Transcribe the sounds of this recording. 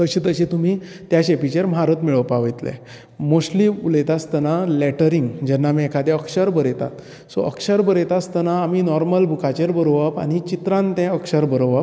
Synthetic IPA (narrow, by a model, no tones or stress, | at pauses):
t̪əɕit̪əɕit̪um̤iː | t̪jaɕepit͡ɕeɾm̤aɾət̪miɭəʋpaʋəjt̪lḛ̃ | moɕliulet̪ast̪ənalɛʈəɾiŋɡd͡ʑɛnːamiɛkʰad̪ɛ̃əkʂəɾbəɾet̪a̰t̪ | sɔ̰ʔə̰kʂəɾbəɾet̪ast̪ənaːminɔɾməlbʱukʰat͡ɕeɾbəɾoʋapa̰ñit͡ɕit̪ɾãnt̪ɛ̃əkʂəɾbəɾoʋap